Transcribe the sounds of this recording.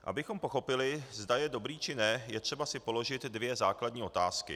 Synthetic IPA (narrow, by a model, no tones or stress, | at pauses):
ʔa̰bɪxo̞mpo̞xo̞pɪlɪzdajɛdo̞bɾiːt͡ʃɪnɛjɛt̪r̥ɛbasɪpo̞lo̞ʒɪt̪dvjɛzaːkladɲiːʔo̞t̪aːskɪ̰